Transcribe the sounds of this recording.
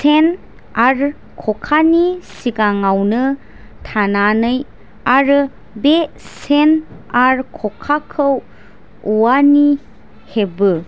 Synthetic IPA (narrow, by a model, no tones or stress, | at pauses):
sen | aɾ | kʰɔkʰanisiɡaŋawnɯ | tʰananɯj | aɾɯ | be | senaɾkʰɔkʰakʰɯw | uwani | hebɯ